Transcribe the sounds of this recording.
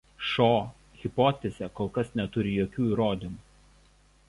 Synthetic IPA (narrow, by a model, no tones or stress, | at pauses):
ʃoː | ɣʲɪpɔt̪ʲɛzʲɛkoːlˠkɐsnʲɛt̪ʊɾʲɪjoːkʲuːiːɾoːd̪ʲɪmuːˑ